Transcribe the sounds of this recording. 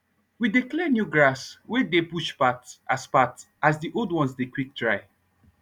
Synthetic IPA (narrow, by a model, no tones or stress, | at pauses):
widiklɛnjuɡɹaswɛdepuʃpatʔaspat | azdiʔolˠdwɔ̃nsdekwik̚tɹaɪ